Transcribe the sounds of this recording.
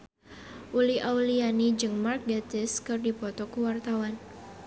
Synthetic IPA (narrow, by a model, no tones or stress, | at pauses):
ʔuliawlianid͡ʒɨŋmark̚dat̪ɪskɨrdipɔt̪ɔkəwart̪awan